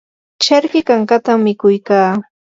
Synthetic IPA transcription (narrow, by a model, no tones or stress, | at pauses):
t͡ʃaɾkɪkaɴɢat̪amːɪkʊjkaː